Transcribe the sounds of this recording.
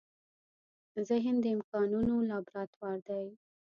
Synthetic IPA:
zɪɦɪnd̪əɪmkɑnunolɑbɾɑt̪wɑɾd̪aj

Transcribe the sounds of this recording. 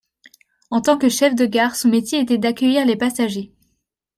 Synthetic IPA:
ɑ̃t̪ɑ̃kəʃɛfd̪əɡʲaʁsɔ̃met̪jeːt̪ɛd̪akʲœjiʁlepasaʒe

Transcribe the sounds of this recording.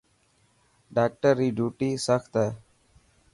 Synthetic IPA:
ɖaːk̚ʈəɾːiːɖʱuːʈiːsəkt̪ɦɛː

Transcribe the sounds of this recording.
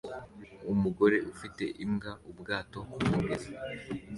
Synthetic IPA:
umuɡo̞ɾe̞ʔufite̞̰ʔimɡaubɡaːto̞kumuɡeza

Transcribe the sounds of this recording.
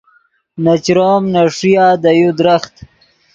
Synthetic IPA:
nat͡ʃɾoːmnaʂijaːd̪ajud̪ɾaxt̪

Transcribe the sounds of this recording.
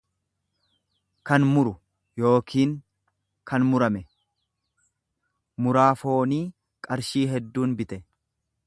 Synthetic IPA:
kɐnmʊɾʊ | jo̞ːkʰiːŋ | kʰɐnmʊɾɐmɛ | mʊɾaːfo̞ːniː | kʼɐɾʃiːɦɛd̪ːuːnbɪt̪ɛ

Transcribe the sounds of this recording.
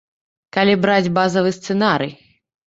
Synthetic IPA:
kalʲibɾad͡zʲbazɐvɨst̪sɛnaɾɨj

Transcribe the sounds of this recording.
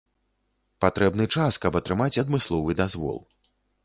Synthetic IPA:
pat̪ɾɛbnɨt͡ʂaskɐbɐt̪ɾɨmat͡sʲɐd̪mɨslˠɔvɨd̪azvɔ̰lˠ

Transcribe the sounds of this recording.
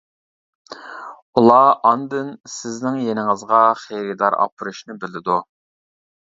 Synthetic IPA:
ulˠɑɑnd̪ɨnsɪznɪŋjenɪŋɨzʁɑχejɾɪd̪ɑɾɑ̰pʰɨɾuʃnɪbɪlɪd̪u

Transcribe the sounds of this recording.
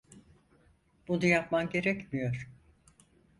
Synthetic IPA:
b̥unujapmamɟe̞ɾɛcmijo̞ɾ̥

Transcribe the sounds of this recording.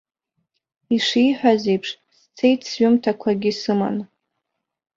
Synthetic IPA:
iʂijħʷᶣazejpʰʂ | st͡sʰejtʰsɥʏmtʰakʷʰaɡʲɪsɨma̰n

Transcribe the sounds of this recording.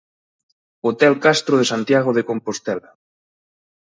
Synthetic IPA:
ot̪ɛlkast̪ɾoð̞esant̪jaɣ̞oðekompost̪ɛla

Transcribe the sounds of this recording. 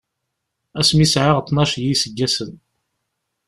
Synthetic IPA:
æsmisʕaʁt̪ˤːnɑʃjisəɡːæsən

